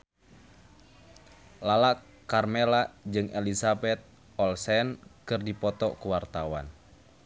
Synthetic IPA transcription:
lalak | karmɛlad͡ʒɨŋɛlisabɛt̪̚ | ɔlsɛnkɨrdipɔt̪ɔkuwart̪awa̰n

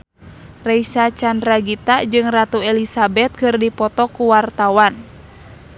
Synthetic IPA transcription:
rɛisat͡ʃandɾaɡit̪ad͡ʒɨŋrat̪uɛlisabɛt̪̚kɨrdipɔt̪ɔkuwart̪awan

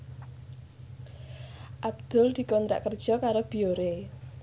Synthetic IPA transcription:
ʔab̚d̪̥ʊ̤ld̪̥i̤kɔnt̪ɾa̰ʔkərd̥ʒ̥ɔ̤kaɾob̥ioɾe

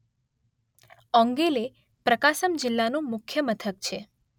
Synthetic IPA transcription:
ɔ̃ŋɡele | pɾəkaʃəmd͡ʒɪlːanũmʊkʰjəmət̪ʰək̚t͡ʃʰe

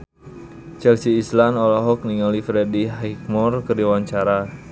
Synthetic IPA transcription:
t͡ʃɛlsiːslanɔlaɦɔk̚niŋalifɾɛdiɦɛik̚mɔrkəɾiwaɲt͡ʃaɾa

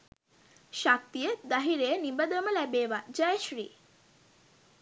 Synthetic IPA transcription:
ʃak̚t̪ijəd̪aɦiɾejənibəd̪əməlæbeːʋad͡ʒajəʃɾḭː

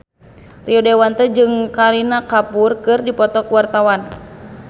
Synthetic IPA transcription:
riɔdewant̪ɛd͡ʒɨŋkaɾinakapurkɨrdipɔt̪ɔkuwart̪awan

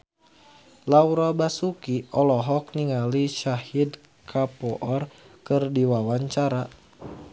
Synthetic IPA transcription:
lauɾɔbasukiʔɔlɔɦɔk̚niŋaliʃahid | kʰapɔʔɔrkɨrdiwawaɲt͡ʃaɾa

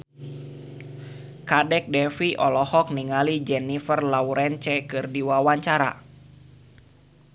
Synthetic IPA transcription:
kadɛk̚dɛfiʔɔlɔhɔk̚niŋalid͡ʒɛnifərlauɾɛnt͡ʃɛkɨrdiwawaɲt͡ʃaɾa̰

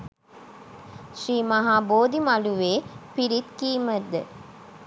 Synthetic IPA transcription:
ʃriːmaɦaːboːd̪imaluʋeːpiɾit̪kiːməd̪ə

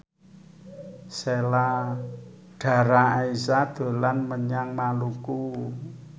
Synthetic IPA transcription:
sela | ɖ̥a̤ɾaaisad̪̥o̤lanməɲaŋmaluku

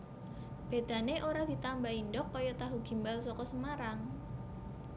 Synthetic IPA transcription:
b̥e̤d̪̥a̤neʔoɾad̪̥i̤t̪ambaindɔkːɔjɔt̪aɦuɡ̥i̤mbalsɔkɔsəmaɾaŋ

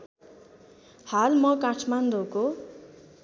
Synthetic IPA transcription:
halmʌkaʈʰmand̪oko

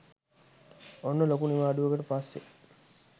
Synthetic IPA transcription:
onːəlokuniʋaːɖuʋəɡəʈəpasːe

